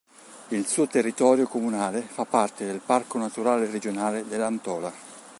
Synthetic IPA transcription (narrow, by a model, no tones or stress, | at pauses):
ilsuːot̪erːit̪ɔːɾjokomunaːlefapːart̪ed̪elparkonat̪uɾaːlered͡ʒonaːled̪elːant̪ɔːla